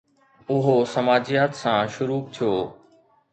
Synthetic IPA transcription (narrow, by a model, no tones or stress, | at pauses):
ʊɦosɐmaːd͡ʑijaːt̪sãːʃʊɾuːb̚t̪ʰijoː